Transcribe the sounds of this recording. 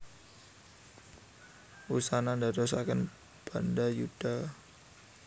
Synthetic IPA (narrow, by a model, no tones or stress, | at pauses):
ʔusanandadɔsakən | b̥andajud̥a